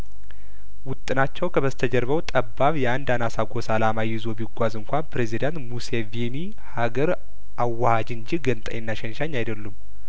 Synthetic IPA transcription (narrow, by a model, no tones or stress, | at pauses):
wʊt̪ʼːɨnat͡ʃːɛwkʰəβəzt̪ʰəd͡ʒɛɾβəwt̪ʼəbːaβjɛand̪anasaɡo̞salamajɪzo̞biɡʷazɨŋkʷanpɾe̞zid̪ant̪museveni | haɡəɾ | ʔawːahad͡ʒɨnd͡ʒiɡənt̪ʼa̰jɛnːaʃɛnʃaɲːajd̪əlːum